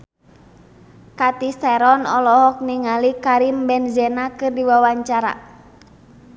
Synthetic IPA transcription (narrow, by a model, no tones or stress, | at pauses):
kat̪isɛɾɔnɔlɔɦɔk̚niŋalikaɾimbɛnzɛnakɨrdiwawaɲt͡ʃaɾa̰